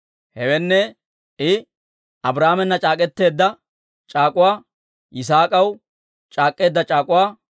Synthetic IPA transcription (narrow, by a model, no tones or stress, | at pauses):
hɛwɛnːɛ | ʔɪ | ʔɐbɾaːmɛnːɐt͡ʃʼaːkʼɛt̪ːe̞ːd̪ːɐ | t͡ʃʼaːkʼʊwaː | ʔɪs̬aːkʼɐw | t͡ʃʼaːkʼːe̞ːd̪ːɐt͡ʃʼaːkʼʊwaː